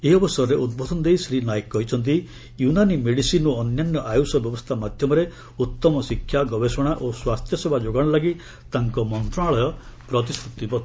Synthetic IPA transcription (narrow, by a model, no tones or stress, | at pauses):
eɔbɔsɔɾɔɾeʔud̪̚bɔd̪ʱɔnɔd̪ejsɾinajekkːɔɦit͡ʃʰɔnt̪̬i | junanimeɽisinuɔnjanjɔʔajusɔbjɔbɔst̪ʰamad̪ʱjɔmɔɾe | ut̪ːɔmɔsikʰːjaɡɔbesɔɽ̃aʔoswast̪ʰjɔsebʱad͡ʒoɡaɽ̃ɔlaɡi | t̪aŋkɔmɔnt̪ɾɔɽ̃aɭɔjɔpɾɔt̪̬iskɾut̪ibɔt̪